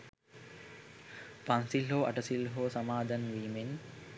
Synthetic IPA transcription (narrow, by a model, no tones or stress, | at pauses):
pansilɦoːaʈəsilɦoːsamaːd̪anʋiːmen